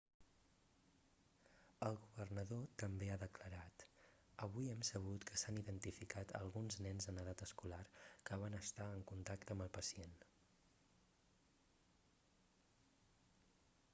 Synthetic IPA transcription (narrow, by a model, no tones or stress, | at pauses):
əlˠɣuβərnəðot̪əmbeaðəkləɾat̪ | əβujiɛmsəβ̞ut̪kʰəsaniðənt̪ifikat̪ʰə̰lˠɣunznɛnzənəð̞at̪əskularkəβanəst̪aəŋkunt̪akt̪əmbəlˠpəsien